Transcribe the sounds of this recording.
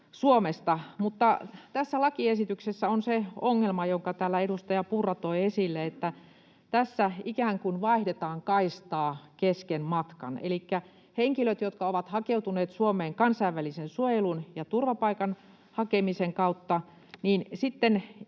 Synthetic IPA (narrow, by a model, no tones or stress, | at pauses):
suomest̪ɑmut̪ːɑt̪æsːælɑkiesit̪yksesːæonseoŋːelmɑjoŋkɑt̪æːlːæeɾust̪ɑjɑpurːɑt̪oiesilːeet̪ːæ | t̪æsːæikæːŋkunʋɑihdet̪ɑːŋkɑist̪ɑːkeskenmɑt̪kɑ̰nḛlikːæ | heŋkiløt̪jot̪kɑoʋɑt̪hɑkeuwt̪uneːt̪suomeːŋkɑnsɑiʋʋːælisensuojelunjɑt̪urʋɑpɑikɑn | hɑkemiseŋkɑut̪ːɑ | niːnsit̪ːen